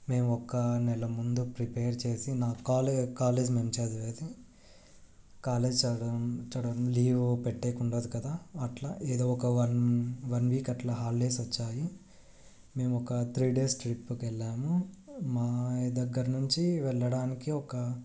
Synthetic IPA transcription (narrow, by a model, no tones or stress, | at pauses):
me̞ːmuɔkɐnɛlɐmund̪upɾipeːɾt͡ʃe̞ːsinaːkaːlekaːleːd͡ʒmeːmt͡ʃeːd̪ɐʋeːd̪i | kaːleːd͡ʒt͡ʃɐɽɐt͡ʃɐɽɐɽɐmliːʋpeʈːeːkuɳɖoːd̪ikɐd̪aːɐʈla̰ʔeːd̪oːɔkɐɐnʋɐnʋiːkɐʈlɐɦaːlːeːsʋɐt͡ʃːaːji | me̞ːmuɔkɐt̪ʰɾiːɖe̞ːsʈɾipːukɛlːaːmumaːd̪ɐɡːɐɾɐnuɲt͡ʃiʋɛɭːɐɽaːnikiɔkɐ